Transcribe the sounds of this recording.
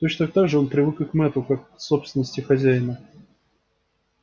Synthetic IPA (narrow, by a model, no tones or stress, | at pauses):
t̪ot͡ɕnət̪ak̚t̪aɡʐɨo̞npɾʲɪvɨkɨkmɛt̪ʊkakso̞psʲɪnəsʲtʲɪxɐzʲæjɪnə